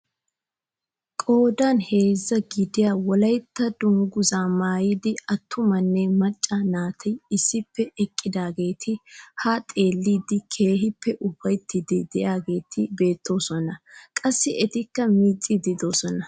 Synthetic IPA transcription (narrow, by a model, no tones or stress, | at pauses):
kʼo̞ːd̪ɐnhe̞ːzːɐɡɪd̪ɪjawɔlɐjt̪ːɐd̪ʊŋɡʊzaːmaːjiːd̪ɪɐt̪ʰːʊmɐnːɛmɐt͡ʃʼːɐnaːt̪ʰɐjɪsːɪpːɛɛkʼːɪd̪aːɡe̞ːt̪ʰɪhɐt̪ʼe̞ːlːiːd̪ɪkʰe̞ːɦɪpːɛʔʊfɐjt̪ːɪd̪ɪd̪ɛʔaːɡe̞ːt̪ʰɪbe̞ːt̪ʰːo̞ːsɔnɐkʼɐsːɪɛt̪ɪkːɐmiːt͡sʼːid̪ɪd̪o̞ːsɔnɐ